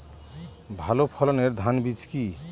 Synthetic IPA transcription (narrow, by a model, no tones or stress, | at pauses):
bʱalopʰɔlɔneɾd̪ʱanbit͡ʃki